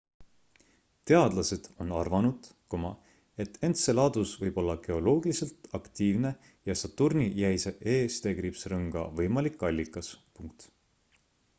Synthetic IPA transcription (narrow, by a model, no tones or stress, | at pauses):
t̪e̞ɑd̪̥lɑse̞d̪̥o̞nɑ̰rvɑnud̪̥komɑ | e̞t̪ːˑe̞nt̪se̞lɑːd̪̥usvɤjb̥o̞lːɑɡ̥e̞o̞lo̞ːɡ̥ilise̞lt̪ˑɑkt̪iːvne̞ | jɑsɑt̪ːurnijæjseʔeːst̪e̞ɡripsrɤŋɡ̥ɑ̰vɤjmɑlikːˑɑlʲːikːˑɑspuŋk̚t̪